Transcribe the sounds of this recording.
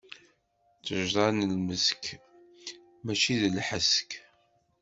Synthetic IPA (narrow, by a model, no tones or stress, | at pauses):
t͡sːəʒɾˤɑnəlməsk | mæt͡ʃiðəlħəsk